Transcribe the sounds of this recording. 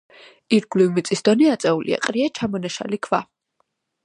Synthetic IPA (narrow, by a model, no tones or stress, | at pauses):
iɾɡlivmit̪sʼisd̪ɔniat̪sʼɛulʔḭa̰qʼɾiat͡ʃʰamɔnaʃa̰likʰva